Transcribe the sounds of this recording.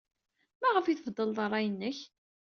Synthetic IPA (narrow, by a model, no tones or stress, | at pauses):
mæʁəfiθvd̪ˤːəlðˤrˤːɑjənːəç